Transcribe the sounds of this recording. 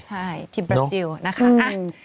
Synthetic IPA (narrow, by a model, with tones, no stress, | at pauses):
t͡ɕʰa˥˩jt̪ʰiː˥˩bɾa˧si˧wna˦˥kʰa˦˥